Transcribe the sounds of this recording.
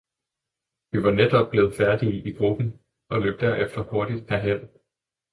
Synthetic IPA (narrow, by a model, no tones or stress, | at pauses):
ʋiʋɑ̈ned̥ɒ̽b̥̚b̥le̝ːð̩ˠfæɐd̥iʔiɡ̥ʁub̥n̩ | ɒ̽lø̰ːb̥̚d̥æɐ̰ʔefd̥ɐho̝ɐd̥id̥̚ʰæɐɦeð̰